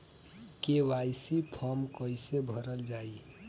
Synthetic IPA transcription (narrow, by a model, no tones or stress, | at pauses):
kewajsipʰɔmkəɪsebʱəɾəld͡ʒaːi